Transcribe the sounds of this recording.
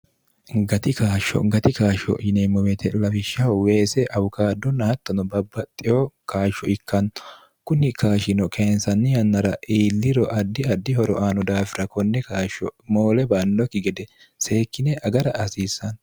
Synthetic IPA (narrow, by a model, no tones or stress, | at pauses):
ɡɐt̪ɪkaːʃːɔ̰ɡɐt̪ɪkaːʃɔ̰ɪnemɔmɛt̪ʰɛlɐfɪʃːɐweːsɛʔɐwʊkaːd̪ːɔnːɐhɐt̪ːɐnɔbɐbːɐt̪ʼːɪɔkaːʃːɔɪkːɐnɔ̥ | kʊnɪkʰaːʃɪnɔkʰeːnsɐnːɪjɐnːɐɾɐʔiːlːɪɾɔʔɐd̪ːɪɐd̪ːɪhɔɾɔ̰ʔaːnɔd̪aːfɪɾɐkɔnːɛkaːʃɔmoːlɛbanːɔkːɪɡɛd̪ɛ | se̞ːkːɪnɛʔɐɡɐɾɐɐsiːsːɐn